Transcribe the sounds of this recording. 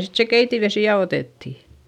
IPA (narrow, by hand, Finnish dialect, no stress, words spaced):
sit se keitiʋesiˑ jɑ oteˑtːi